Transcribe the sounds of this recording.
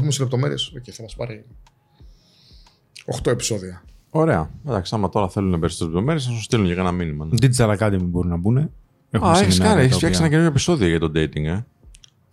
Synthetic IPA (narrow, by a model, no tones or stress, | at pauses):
pumesizlep̚t̪ome̞ɾiesocejθɐmɐspɐɾi | oxt̪oe̞pi̥so̞ðiɐo̞ɾe̞ɐed̪ɐksɐmɐt̪o̞ɾɐθe̞lunɐpbeɾist̪oslp̚t̪o̞meɾies̬ɐsost̪iluncɐkɐnɐminimɐnt̪it̪isɐlɐkɐt̪imbo̞ɾinɐbune̞ | exɐeçisnkɐneçisfçakssenɐceinooepiso̞ðioʝɐt̪o̞d̪ejt̪iŋɡe̞